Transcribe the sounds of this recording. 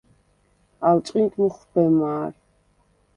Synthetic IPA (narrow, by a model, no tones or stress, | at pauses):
alt͡ʃʼqʼint̪ʰʼmuχbɛmaːɾ